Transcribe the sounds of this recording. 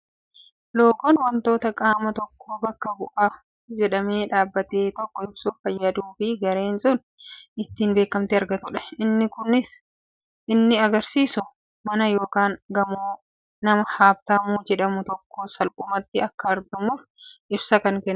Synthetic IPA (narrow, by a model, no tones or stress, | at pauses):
lo̞ːkɔnwɐnt̪o̞ːt̪ɐkʼaːmɐt̪ɔkːo̞ːbɐkːɐbʊʔa | d͡ʒɛᶑɐmeːᶑaːbːɐt̪e̞ːt̪ɔkːɔɪbsʊfɐjːɐd̪uːfɪɡɐɾe̞ːnsʊn | ɪt̪ːiːnbe̞ːkːɐmt̪ɪɐɾɡɐt̪ʊᶑɐ̥ʔɪnːɪkʊnɪs | ʔɪnːɪɐɡɐɾsiːsʊ | mɐnɐjo̞ːkaːŋɡɐmoː | nɐmɐhaːb̚t̪ɐmud͡ʒɛᶑɐmʊt̪ɔkːo̞ːsɐlkʼʊmɐt̪ːɪɐkːɐɐɾd̪ʊmʊf | ʔɪbsɐkɐŋkɛnː